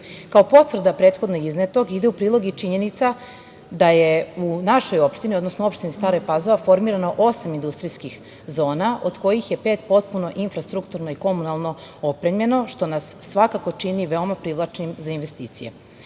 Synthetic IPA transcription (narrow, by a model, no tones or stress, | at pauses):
kao̞po̞t̪ʋr̩d̪apɾet̪xo̞d̪noiznet̪o̞ɡid̪e̞upɾiːlˠo̞ɡit͡ʃiɲe̞nit̪sa | d̪aje̞unaʃo̞jo̞pʃt̪inio̞d̪nosnoo̞pʃt̪inist̪aːɾojpazoʋafo̞ɾmiːɾano̞ʔosamind̪ust̪ɾijskix | zoːnaʔo̞d̪ko̞jixje̞pe̞ːt̪po̞t̪̚puno̞ʔinfɾast̪ɾukt̪uɾno̞iko̞munalˠno̞opɾemje̞no̞ʃt̪o̞nasːʋakako̞t͡ʃiniʋe̞o̞mapɾiʋlˠat͡ʃnimzainʋe̞st̪ḭːt̪sije̞̰